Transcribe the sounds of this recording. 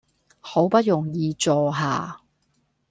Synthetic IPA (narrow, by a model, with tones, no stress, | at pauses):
ho˨˥wpɐ˥t̚jʊ˨˩ŋjiː˧t͡sɔː˨˧ɦaː˨˧